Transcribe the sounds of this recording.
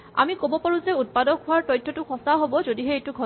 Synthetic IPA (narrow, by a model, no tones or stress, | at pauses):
a̰mikobɔpɔɹũzɛut̚padɔkɦʊaɹtɔjtʰːɔtʊxɔsaɦobɔzodiɦɛetʊɡʱɔ